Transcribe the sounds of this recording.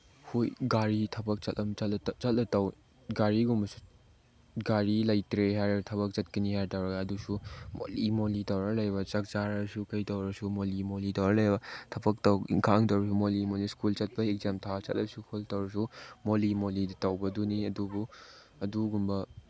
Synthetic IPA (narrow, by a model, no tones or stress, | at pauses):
hojɡaɾitʰɐbɐk̚t͡ʃɐtlɐmɐtlɐt͡ʃɐtlɐtɐw | ɡaɾiɡumbɐsu̥ | ɡaɾilɐjtɾeɦajɾɐtʰɐbɐk̚t͡ʃɐt̚kinihajtɐwɾɐɡɐːdusumo̰limolitɐwɾɐlɐjbɐt͡ʃɐk̚t͡ʃaɾɐsukɐjtɐwɾɐsumolimolitɐwɾɐlɐjbɐtʰɐbɐk̚tɐwḭŋkʰaŋtɐwɾɐs̬umolimoliskult͡ʃɐt̚pɐek̚zemtʰat͡ʃɐ̰tlɐsukʰultɐwɾɐsumolimoliditɐwbɐduniɐdubu | ɐduɡumbɐ